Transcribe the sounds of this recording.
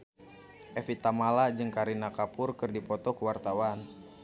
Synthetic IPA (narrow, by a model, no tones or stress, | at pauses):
ʔɛfit̪amalad͡ʒɨŋkaɾinakapʊrkɨrdipɔt̪ɔkuwart̪awan